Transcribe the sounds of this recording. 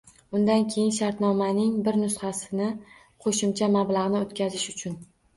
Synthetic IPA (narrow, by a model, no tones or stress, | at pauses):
ʊnd̪ankʲʰe̞jɪnʃaɾt̪nɒmanɪŋbɪɾnʊsχasɪnɪ | qʰoʃɪmt͡ʃʰamablaʁnɪot̪kʲʰazɪʃʊt͡ʃʰʊn